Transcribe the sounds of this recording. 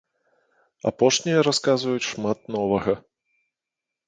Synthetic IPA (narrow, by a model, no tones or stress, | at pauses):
a̰pɔʂnʲijɐɾaskazvɐjut͡sʲʂmat̪̚nɔvɐɣɐ